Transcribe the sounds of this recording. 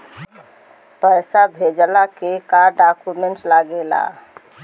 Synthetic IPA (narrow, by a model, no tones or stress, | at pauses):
pəjsabʱed͡ʒlakekaɾɖakumeɳʈlaɡela̰